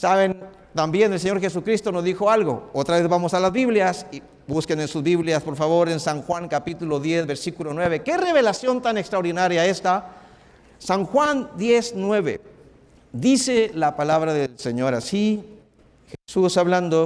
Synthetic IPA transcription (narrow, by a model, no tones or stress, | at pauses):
saβe̞n | t̪ambje̞nels̬eɲoɾxe̞s̬ukɾist̪o̞no̞zðixo̞alɣo̞̰ot̪ɾaβe̞zβamo̞salazβiβljasi | buskenensuzβiβljaspo̞ɾfaβo̞ɾe̞nsaŋxwaŋkapit̪ulo̞ðje̞zβe̞ɾsikulonwe̞βe̞ke̞re̞βe̞lasjo̞nt̪anekst̪ɾaoɾðinaɾjae̞st̪a | saŋxwand̪je̞snwe̞βḛ | d̪ise̞lapalaβɾaðelseɲo̞ɾasi | xesusaβland̪o